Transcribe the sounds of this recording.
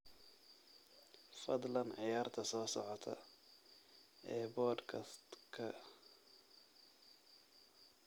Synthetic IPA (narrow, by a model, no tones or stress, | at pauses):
fɐd̪lɐnʕɪjaːrt̪ʰɐsɔːsɔʕɔt̪ʰɐ̰ | ʔɛːbɔːd̪kʰɐt̪kʰɐ